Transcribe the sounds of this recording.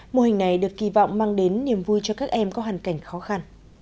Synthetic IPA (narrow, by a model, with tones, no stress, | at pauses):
mo˧hi˨˩ŋ̟na˨˩jɗɨ˨˩əkːi˧˩vɔ̰˧˨wŋ͡mmaː˧ŋɗe˨˦nːi˨˩əmvu˧jt͡ɕɔ˧kaː˦˥k̚ʔɛ˧mkɔ˨˦ɦaː˨˩ŋka˧˩jŋ̟xɔ˨˦xa˧n